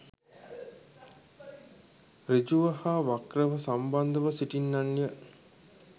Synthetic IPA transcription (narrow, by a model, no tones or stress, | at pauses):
rid͡ʒuʋəhaːʋakrəʋəsamband̪əʋəsiʈinːanːijə